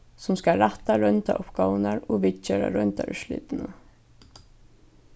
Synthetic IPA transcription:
sʊmskaɾat̪aɾœʏnt̪aʔʊpkaːwənaɹɔɣʋɪt͡ʃeːɾa̰ɾœnt̪aɾʏʂlɪ̰ːt̪ɪnə

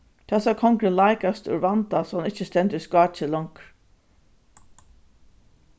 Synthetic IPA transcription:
t̪ʰɛsakʰɔŋkɾəlaɪkast̪ʊ̰ɾʋant̪asanɪt͡ʃːəst̪ɛnt̪ɪskɑːt͡ʃɪlɔŋk

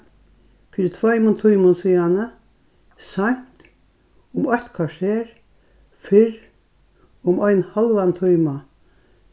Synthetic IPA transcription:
fiɾt̪ʰvajmʊnt̪ʰujmʊnsiːanə | san̥t̪ | ʊmœht̪kʰaʂeːɾ | fɪɾ | ʊmɔjnhalʋant̪ʰujma

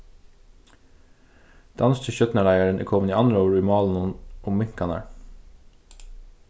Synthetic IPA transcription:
d̪̥ɑnst̪ʰɪçœt̪nəlæɪæɹənḭːkʰɔmniːɑnd̪ɾəoːɾiːmɑːln̩ʊnʔʊmmɪŋkʰɑnɑ̰ɹ

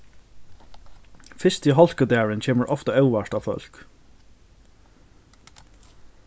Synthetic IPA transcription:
fɪst̪iɦɔlkəd̪æːɹəncʰeːməɹʔɔft̪ɑœʊʋaʂt̪aːʋfœ̰l̥k

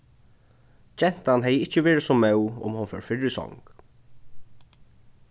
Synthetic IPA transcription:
t͡ʃɛn̥t̪anɦɛjəɪht͡ɕəveːɹɪsɔmɛwʊ̰mhʊnfœ̰ɹfɪɹɪsɔ̰ŋk

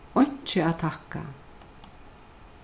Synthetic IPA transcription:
ɔjɲ̥t͡ʃɪat̪ʰahka̰

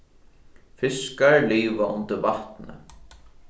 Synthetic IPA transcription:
fɪskaɹliːʋaʔʊnt̪ɪɾbaht̪nə̰

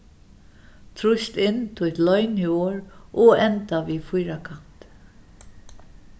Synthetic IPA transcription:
t̪ʰɾʊst̪ɪnːt̪ʰʊjt̪lœʏnɪoːɹʔɔɛnt̪aʋiːfʊjɾakʰan̥t̪

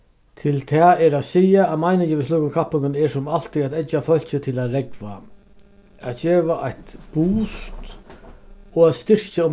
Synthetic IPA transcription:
t̪ʰɪlt̪ʰɛɛɾasiːjaːmajnɪɲt͡ʃɪʋɪs̬luːkʊmkʰapːɪŋkɪnɛɾsʊmal̥t̪ɪat̪ɛt͡ʃːafœl̥t͡ɕɪt̪ʰɪlat̪ɾɛkva̰ | at̪d͡ʒeːʋaʔajt̪b̥uːst̪ | ɔat̪st̪ɪɾ̥t͡ʃaʊm

